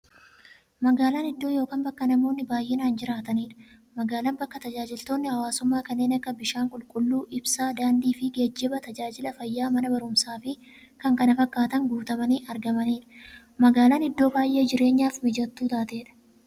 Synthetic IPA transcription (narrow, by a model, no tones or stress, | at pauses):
mɐɡaːlaːnɪd̪ːo̞ːjo̞ːkaːnbɐkːɐnɐmo̞ːnːɪbaːjʔeːnaːnd͡ʒɪɾaːt̪ɐniːᶑɐ̥ | mɐɡaːlɐnbɐkːɐt̪ɐd͡ʒaːd͡ʒɪlt̪o̞ːnːɪhɐwaːsʊmːaːkɐnːe̞ːnɐkːɐbɪʃaːŋkʼʊlkʼʊlːuːʔɪbsaːd̪aːnd̪iːfɪɡeːd͡ʒːɪbɐt̪ɐd͡ʒaːd͡ʒɪlɐfɐjːaːmɐnɐbɐɾʊmsaːfɪ | kɐŋkɐnɐfɐkːaːt̪ɐŋɡuːt̪ɐmɐniːʔɐɾɡɐmɐniːᶑɐ̥ | mɐɡaːlaːnɪd̪ːo̞ːbaːjʔe̞ːd͡ʒɪɾe̞ːɲːaːfmɪd͡ʒɐt̪ːuːt̪aːt̪e̞ːᶑɐ̥